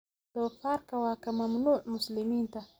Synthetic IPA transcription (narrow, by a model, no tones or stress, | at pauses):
d̪̥ofaɾkawakamamnuʕmʊslɪmint̪a